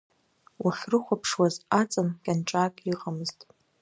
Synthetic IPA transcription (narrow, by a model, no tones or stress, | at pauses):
wʔaħrɨχʷapʰʂwazat͡sʼɨnkʲʼanʈ͡ʂʼaːkʼiqʼamɨztʼ